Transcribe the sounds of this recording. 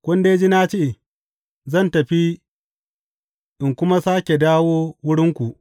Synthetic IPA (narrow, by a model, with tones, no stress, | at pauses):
kʷɐ˦nde˨˦d͡ʒi˦naː˦t͡ʃi˦˨ | zɐ˦˨ntɐ˨ɸi˦ | ʔɪ˨ŋkʷʊ˦ma˦saː˦kʲe˨daː˦woː˦wʊ˦ɽɪ˦ŋkʷu˨ʔ